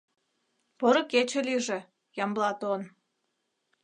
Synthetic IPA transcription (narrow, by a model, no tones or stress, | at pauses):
poɾɤ̆ket͡ɕĕlʲiʒĕ | jɑmblɑt̪on